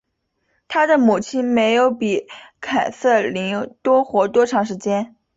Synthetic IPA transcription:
t̪ʰa˥d̪ə˨mu˨˩t͡ɕʰi˥nme˧˥ɪjo˧˥ʊpi˨˩kʰa˨˩ɪsɤ˥˩li˧˥ŋt̪wɔ˥xwɔ˧˥t̪wɔ˥ʈ͡ʂʰɑ˧˥ŋʂɻ̩˧˥t͡ɕjɛ˥n

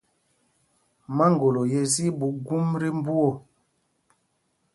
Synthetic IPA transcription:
ma˦ŋ˨ɡo˨lo˨jɛ˦zi˦bu˨˦ɡu˦mɾi˦m˦bu˦o˨

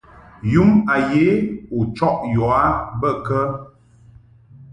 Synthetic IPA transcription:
ju˦ma˨je˨˦u˨t͡ʃɔ˦ʔjɔ˨a˦bə˦˨kə˦

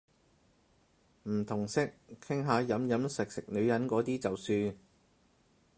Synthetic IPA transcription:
m̩˨˩t̪ʰʊ˨˩ŋsɪ˥k̚kʰːɪ˥ŋɦaː˨˧jɐ˨˥mjɐ˨˧˥msɪ˨k̚sɪ˨k̚nɵ˨˧ɥjɐ˨˥nkɔː˨˥t̪iː˥t͡sɐ˨wsyː˧n

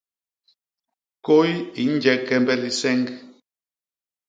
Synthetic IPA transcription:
ko˦ji˨˦n̩˦d͡ʒɛ˦kɛ˦mbɛ˦li˨sɛ˦ŋɡ

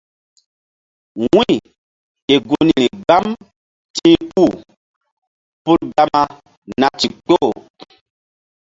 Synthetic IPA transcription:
wĩ˦˨ | ke˨ɡu˦ni˨ɾi˨ɡa˦m | tĩ˦pu˦˨ | pu˦ɾɡa˦ma˦ | na˨t͡ʃi˨k͡po˦˨

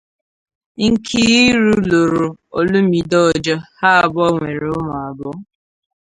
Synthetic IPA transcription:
kʰi˦ɣi˦ɾu˦lo˨ɾo˨o˨lu˦m̩˦i˨dɔ˦˨d͡ʒɔ˦ha˦a˨bɔ˦ŋʷe˨ɾe˨ʊ˦mʊ˨a˨bɔ˦

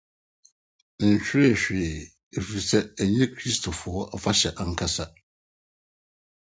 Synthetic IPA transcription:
ɕᶣɪ˦e˦˨ɕᶣɪ˨ | e˨fi˨sɛ˦æ˨ɲɛ̃˦kʰɾi˦stʰo˨fʊ˨˦ɔ˦ʔa˨fa˦ɕɛ˨ʔa˦ŋ̩˦kʰa˦sa˦

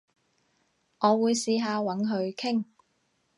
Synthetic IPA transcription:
ŋɔː˨˧wuː˨˧jsiː˧ɦaː˧wɐ˨˥nɦɵ˧ɥkʰɪ˥ŋ

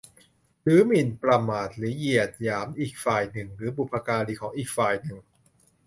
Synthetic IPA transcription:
lɯː˨˦mi˨˩npɾa˧maː˨˩t̪̚liː˨˩˦ji˨˩ət̪̚jaː˩˦mʔiː˨˩k̚faː˨˩jnɯ˨˩ŋɾɯː˩˦bu˨˩pʰːa˧kaː˧liː˧˩kʰɔː˩˦ŋʔiː˨˩k̚faː˨˩jnɯ˨˩ŋ

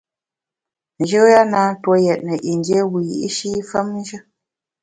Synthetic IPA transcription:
n̩˨ʒə˦ja˦naː˦two˦jɛ˨t̚nə˨ʔi˨n˦dje˦wi˨jḭ˦ʔi˦ʃi˦fə˦mn̩˦ʒə˦

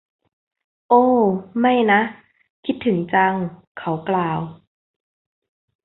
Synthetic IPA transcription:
ʔoː˧˩ma˥˩jna˦˥ʔ | kʰi˦˥t̪ʰːɯ˩˦ŋt͡ɕa˧ŋ | kʰa˧˦˩wklaː˨˩w

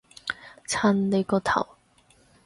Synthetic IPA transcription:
t͡sʰa˥˧˥nle˧kɔ˧t̪ʰa̰˨˩w

